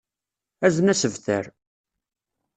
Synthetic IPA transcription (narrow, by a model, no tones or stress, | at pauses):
æzənæsəvθə̰ɾ